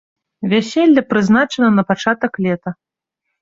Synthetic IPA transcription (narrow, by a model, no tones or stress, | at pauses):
vʲasʲɛlʲːɐpɾɨznat͡ʂɐnɐnɐpat͡ʂat̪ɐklʲɛt̪ɐ